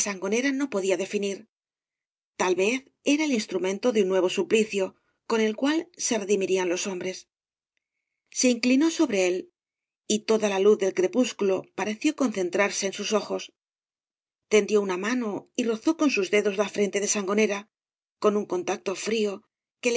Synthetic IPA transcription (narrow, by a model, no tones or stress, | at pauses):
saŋɡo̞ne̞ɾano̞po̞ðiaðe̞finiɾ | t̪alβe̞θ | e̞ɾae̞linst̪ɾumẽ̞nt̪o̞ðeunːwe̞β̞o̞supliθjo̞ | ko̞ne̞lkwalse̞re̞ðimiɾianlo̞so̞mbɾe̞s | se̞iŋklino̞so̞βɾe̞e̞l | it̪o̞ðalaluθðe̞lkɾe̞puskulo̞paɾe̞θjo̞ko̞nθe̞nt̪ɾaɾse̞ːnsuso̞xo̞s | t̪e̞nd̪jo̞unamano̞iro̞θo̞ko̞nsuzðe̞ðo̞zlafɾe̞nt̪e̞ðe̞saŋɡo̞ne̞ɾa | ko̞nuŋko̞nt̪ak̚t̪o̞fɾio̞ | ke̞l